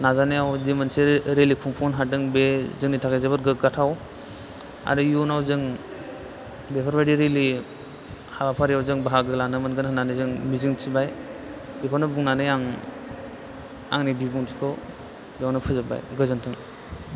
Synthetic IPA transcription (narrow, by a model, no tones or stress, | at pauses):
nazanijawdimɯnseɾelikʰuŋpʰɔnɦadɯŋbezɯŋnitʰakajzabɯɾɡɯɡatʰaw | a̰ɾɯjunawzɯŋ | bepʰaɾbadiɾeli | habapʰaɾijawzɯŋbaɦaɡɯlanɯmɯnɡɯnɦɯnanɯzɯŋmizɯŋtʰibaj | bikʰɔnɯbuŋnanɯjaŋ | a̰ŋnibibuŋtʰikʰɔ | bijawnɯpʰɯzaba̰jɡɯzɯntʰɯŋ